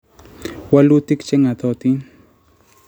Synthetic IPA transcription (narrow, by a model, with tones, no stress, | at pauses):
wa˦lu˦t̪i˦kt͡ʃɛ˦ŋa˨t̪ɔ˦t̪i˦n